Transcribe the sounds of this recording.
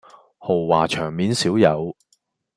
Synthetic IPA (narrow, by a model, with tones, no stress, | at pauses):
ho˨˩wːaː˨˩t͡ʃʰœː˨˩ŋmiː˨˥nsiː˨˥wjɐ˨˧w